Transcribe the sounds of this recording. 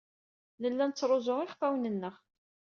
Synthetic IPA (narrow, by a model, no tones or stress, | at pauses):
nəlːænət͡sːɾˤozoʁɪχfæwnənːəʁ